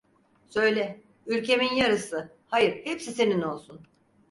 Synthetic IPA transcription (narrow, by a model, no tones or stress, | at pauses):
sø̞jlʲɛ | ylʲcʰe̞minjaɾɯsɯ | hajɯɾhepsise̞nino̞lˠsun